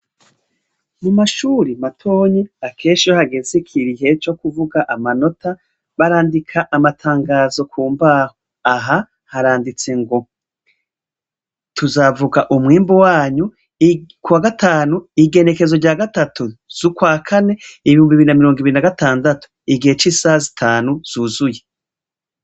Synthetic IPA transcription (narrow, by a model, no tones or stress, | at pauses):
mumaʃuːɾimatʰo̞ːɲeakʰe̞ːnʃijohaɡe̞zekʰiɾiɦe̞t͡ʃo̞kuvuɡaʔamano̞tʰa | βaɾaːndikʰaʔamatʰaːŋɡaːzo̞kʰuːmbaho | aɦa | haɾaːndit͡se̞ŋɡo̞ | tʰuzavuɡaʔumŋiːmbuwaːɲu | kuwaɡatʰaːnuiɡe̞ne̞ke̞zo̞ɾɟaːɡatatʰuz̥ukwaːkʰane̞iβihuːmbiβiɾinamiɾo̞ːŋɡiβiɾinaɡataːndatu̥ | iɡihe̞t͡ʃiːsazitʰaːnuz̥uzuje